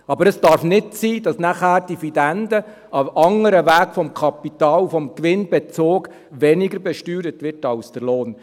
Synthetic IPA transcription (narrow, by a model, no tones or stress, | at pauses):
ɑbəɾəsd̥ɑɾfnɪtsiːd̥ɑsnæχhæːɾd̥ifidændə | ɑʔɑŋəɾəʋæːɡfɔmkʰɑpːit̪ɑːlfɔmkʋɪnbɛt͡soːɡ | ʋɛnɪɡəbɛʃtyːɾətʋɪɾtɑlsd̥əɾloːn